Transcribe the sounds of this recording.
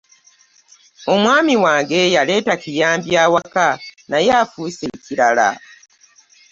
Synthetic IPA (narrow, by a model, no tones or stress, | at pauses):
o̞mwaːmiwaːŋɡe̞jale̞ːtacijaːmbjaːwakanajaːfuːse̞ciɾala̰